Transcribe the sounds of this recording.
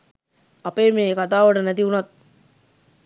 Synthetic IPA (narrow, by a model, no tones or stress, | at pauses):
ɐpeːmeːkat̪aːʋəʈənæt̪iunɐt̪̚